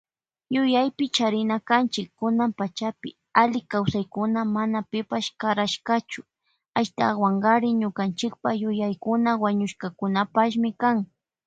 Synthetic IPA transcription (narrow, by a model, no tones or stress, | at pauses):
jʊjajpɪt͡ʃaɾɪnakant͡ʃɪkːʊnampat͡ʃapɪ̰ | alɪkawsajkʊnamanapɪpaʃkaɾaʃkat͡ʃʊ̥ | aʃt̪a̰waŋɢaɾɪɲʊkant͡ʃɪk̚pajʊjajkʊnawaɲʊʃkakʊnapaʃ̬mɪkaŋ